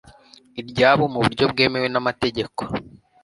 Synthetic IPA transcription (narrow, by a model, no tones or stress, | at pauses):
iɾɟaːβomuβuɾɟo̞bɡe̞ːme̞we̞namate̞ɟe̞ko̥